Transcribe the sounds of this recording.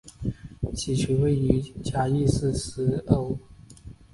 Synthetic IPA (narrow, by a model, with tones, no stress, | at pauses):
t͡ɕʰi˨˩t͡ɕʰu˧˥we˥˩ɪy˧˥t͡ɕja˥i˥˧sɹ̩˥˩s̩˧˥o˧˥ʊ